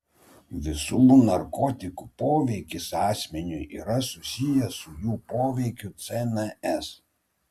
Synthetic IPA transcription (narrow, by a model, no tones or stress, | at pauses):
ʋʲɪsuːnɐɾkɔːt̪ʲɪkupoːʋʲɛɪkʲɪsɑːsʲmʲɛnʲʊʔḭːɾɐsʊsʲɪjɛsʊjuːpoːʋʲɛɪkʲʊt̪sʲɛnɛɛs